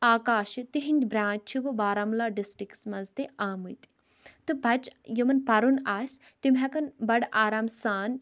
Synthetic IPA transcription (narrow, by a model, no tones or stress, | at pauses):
aːkaːʃit̪iɦinʲdʲbɾãːt͡ʃ̚ʲt͡ʃʰiʋɨbaːɾɐmlaːɖisʈiksmɐzt̪iʔaːmɨt̪i̥ | t̪ɨbʱɐt͡ʃjimɐnpɐɾunaːsʲ | t̪imɦɛkɐnbɐɽaːɾaːmsaːn